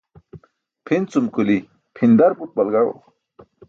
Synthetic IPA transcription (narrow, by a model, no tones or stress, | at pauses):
pʰint͡sumkuli | pʰind̪aɾput̪̚bɐlɡaɽo̰